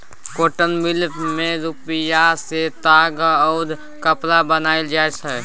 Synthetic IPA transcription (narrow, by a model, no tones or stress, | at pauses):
koːʈənmɪlmẽɾupɪjaset̪aːɡəʊd̪ʱ | kəplabənaːɪld͡ʒaːesɛ